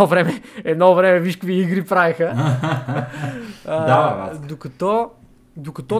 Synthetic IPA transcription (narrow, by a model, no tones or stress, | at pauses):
ɔvɾɛmɛɛnɔvɾɛmɛviʃkviiɣɾipɾajxɐ | aad̪ukɨt̪o | d̪ukɨt̪o